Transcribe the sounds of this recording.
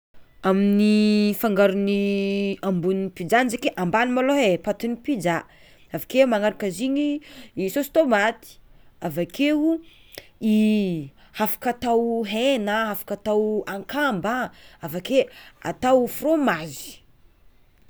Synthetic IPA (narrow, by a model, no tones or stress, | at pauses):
aminifaŋɡaɾuniambunnipid͡ʒanizekeʔambanimaloɦepat̪unipid͡ʒa | avakemaŋaɾakəziɲiisost̪omat̪i̥avakʰeu | i | hafḁkat̪awɦenaɦafḁkat̪awaŋkambaavakea̰t̪awfromazi̥